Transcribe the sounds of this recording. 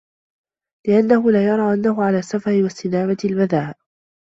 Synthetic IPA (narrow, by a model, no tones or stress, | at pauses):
lɪʔanːahʊlaːjɑɾˤɑːʔanːaɦʊʕalaːsːafɑɾɪwast̪ɪnaːmat̪ɪlbaðaːʔ